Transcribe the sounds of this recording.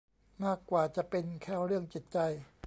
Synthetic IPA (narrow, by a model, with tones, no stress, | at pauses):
maː˥˩kːwaː˨˩t͡ɕa˨˩ʔpe˧nkʰɛː˥˩wɾɯ˥˩əŋt͡ɕi˨˩t̪̚t͡ɕa˧j